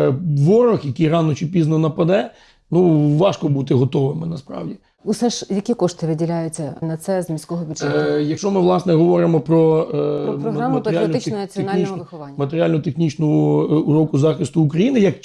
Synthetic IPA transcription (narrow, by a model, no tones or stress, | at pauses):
ʋɔɾɔxjɐkijrɑnɔt͡ʃɪpʲiznɔnɐpɐd̪ɛ | nuʋɑʃkɔbut̪ɪɦɔt̪ɔʋɪmɪnɐspɾɑ̰wdʲi | ʊsɛʃjɐkʲikɔʃt̪ɪʋɪdʲilʲajʊt͡sʲːɐnɐt̪sɛzmʲisʲkɔɦɔpʲijɐkʃt͡ʃɔmɪʋlˠɑsnɛɦɔʋɔɾɪmɔpɾɔɔɔɦmɐɾamɐɾalnɪt̪nnɐt͡sʲiɔnɑlʲiʋɪxʊʋɑnʲːmɐt̪eɾʲialʲnʊʊt̪exnʲit͡ʃnɔɔʊɾɔkʊzɑxɪst̪ʊːkɾɐjinɪjɐk